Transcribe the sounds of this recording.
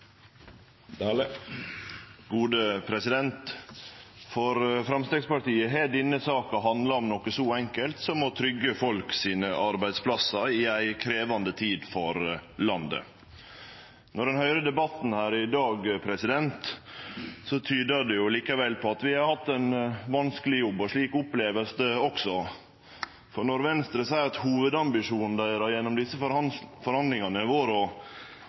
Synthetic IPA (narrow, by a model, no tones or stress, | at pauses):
ɡuːd̪əpʰɾɛsɪd̪ɛnt̪ | fɔɾfɾɑmst̪ɛːɡspɑʈiːəɦeːɖɪnːəsɑːkɑɦɑnd̪lɑɔmnɔkəsɔɛŋkəlt̪sɔmɔt̪ʰɾʏɡːəfɔlksiːnəʔɑɾbæɪd̪spʰlɑsɑɾɪæɪkʰɾeːʋɑnd̪ət̪ʰiːd̪fɔɾlɑnd̪ə̰ | nɔɖɛnhœʏɾəd̪ɛbɑt̪n̩hæːɾɪd̪ɑːɡpʰɾɛsɪd̪ɛnt̪ | sɔt̪ʰyːd̪əd̪ɛjʊliːkɑʋɛlpʰɔɑt̪ʋɪhɑɾhɑt̪ːæɪnʋɑnskəlɪjɔbːɔʂɭiːkʊpleːʋəlsəɔksɔ | fɔɾnɔɾʋɛnst̪ɾəsæɪɾɑt̪huːʋəd̪ɑmbɪʂuːnn̩d̪æɪɾɑjɛnːɔmd̪ɪsːəfɔɾhɑnd̪lɪŋɑnəʋoːɾɔ